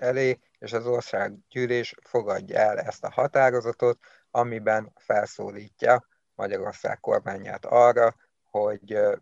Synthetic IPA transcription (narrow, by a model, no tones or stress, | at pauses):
ɛleː | eːʃɒzo̞rsaːɡɟyːleːʃfo̞ɡɒɟːɒ̰ɛlɛst̪ɒhɒt̪aːɾo̞zɒt̪o̞t̪ | ɒmibɛnfɛlso̰ːliːcːɒ | mɒɟɒɾo̞rsa̰ːkko̞̰rmaːɲa̰ːt̪ɒrːɒ | ho̞ɟ